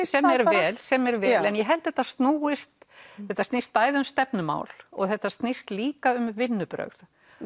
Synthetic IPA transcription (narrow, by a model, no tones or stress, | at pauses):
sɛmɛɾvɛːlsɛmɛɾvɛːlɛnjɛɦɛlt̪θɛt̪ːast̪nuːɪst̪ | θɛht̪ːast̪nɪst̪̚paːjðɪʏmst̪ɛpnʏma̰ːwlɔ̰ɣθɛht̪ːast̪nɪst̪liːkaʏmvɪnːʏpɾœ̰ɣð